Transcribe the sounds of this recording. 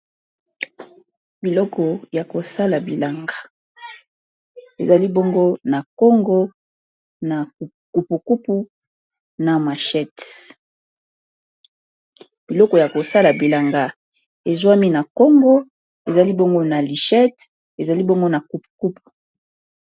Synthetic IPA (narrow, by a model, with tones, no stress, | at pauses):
bi˨lɔ˦kɔ˨ja˨ko˨sa˦la˨bi˨la˨ŋɡa˨ | ḛ˨za˨li˦bo˦ŋɡo˦na˨ko˦ŋɡo˦ | na˨k | ku˨pu˨ku˦pu˦ | na˨ma˨ʃɛ˦t | b̥i˨lɔ˦kɔ˨ja˨ko˨sa˦la˨bi˨la˨ŋɡa˨ | e˨zwa˦mi˦na˨ko˦ŋɡo˦ | e˨za˨li˦bo˦ŋɡo˦na˨li˨ʃɛ˦t | e˨za˨li˦bo˦ŋɡo˦na˨ku˨pu̥˨ku˦pu̥˨